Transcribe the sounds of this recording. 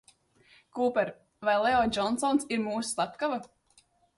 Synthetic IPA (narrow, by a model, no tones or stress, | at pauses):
kuːpɛɾ | vajlˠeɔd͡ʒɔnsɔnsiɾmuːsu̥slˠapkava